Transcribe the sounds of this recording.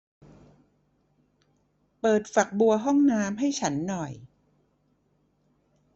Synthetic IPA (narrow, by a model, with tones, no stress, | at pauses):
pɤː˨˩t̪̚fa˨˩k̚bu˧ɐɦɔ˥˩ŋnaː˦˥mɦa˥˩jt͡ɕʰa˦˥nːɔ˨˩j